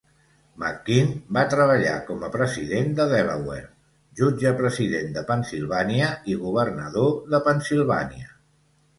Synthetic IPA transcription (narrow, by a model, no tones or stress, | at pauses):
makːinbat̪ɾəβ̞əʎa̰kɔməpɾəziðend̪əðɛβə̰wḛɾ | ʒud͡ʒəpɾəziðend̪əpənsilˠβaniəiɣuβ̞ərnəðoðəpənsilˠβa̰niə